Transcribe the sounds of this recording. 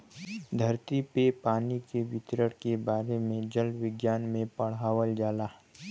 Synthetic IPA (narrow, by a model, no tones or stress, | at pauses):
d̪ʱɐɾt̪ipepaːnikeʋɪt̪ɾəɽkebaːɾemẽd͡ʒəlʋɪɡjaːnmẽpɐɽ̤ɦaːʋəld͡ʒaːlaː